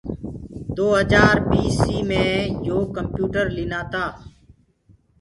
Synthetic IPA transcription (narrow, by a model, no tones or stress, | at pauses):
d̪oːɦəd͡ʒaːɾpiːsiːmẽːjoːkəmpjuːʈəɾlɪnaːt̪aː